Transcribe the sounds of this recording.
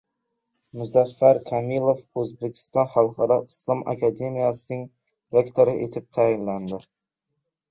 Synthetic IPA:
mʊzafːaɾkʰamilˠofɵzbekʲʰɪ̥st̪ɒnχɑlˠqɑɾɑɨslˠɒma̰kʰad̪e̞mijasɪnɪŋ | ɾekt̪ʰoɾɪʔet̪ʰɪp̚t̪ʰajɪnland̪ɪ

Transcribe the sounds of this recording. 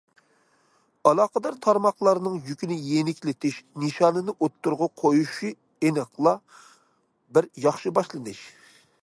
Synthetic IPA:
ɑlˠɑːqəd̪ɑɾt̪ʰɑɾmɑχlˠɑɾnɨŋjykʲinɪjenɪkʲlɪt̪ʰɪʃnɨʃɑnɨnɨʔot̪ːuɾʁɑqʰojuʃi | enɨqlˠɑ | bɪɾjɑχʃɨbɑʃlˠɨnɨʃ

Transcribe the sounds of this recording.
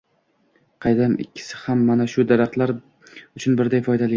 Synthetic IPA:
qʰɑjd̪amɪ̰kʲʰːɪ̥sɪ̥hamːanaʃʊd̪aɾaχt̪laɾ | ʊt͡ʃʰʊnbɪɾd̪ajfɒjd̪alɪ

